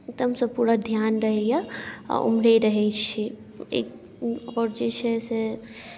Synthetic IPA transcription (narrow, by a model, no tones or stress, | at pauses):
k̚t̪əmsɐ̃puːɾad̪ʱjaːnɾəɦeja̰ṵmɾeɾəɦet͡ʃʰi | ḛːk̚ | ɔːɾd͡ʒet͡ʃʰɛse